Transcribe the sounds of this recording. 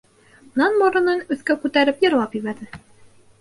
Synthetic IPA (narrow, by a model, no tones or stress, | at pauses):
nɑnbɒɾɤ̆nɤnɵ̆θkækʉt̪æɾɘpjɤ̆ɾlˠɑpjɘβæɾðɘ